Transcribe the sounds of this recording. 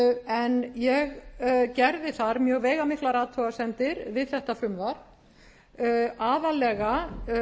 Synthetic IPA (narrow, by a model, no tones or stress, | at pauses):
ɛnjɛɣcɛɾðɪθaɾmjœːɣvɛːjɣamɪhklaɾaːt̪ʰɔɣasɛnt̪ɪɾvɪðθɛht̪afɾʏmðaɾ̥ | aːðalɛɣa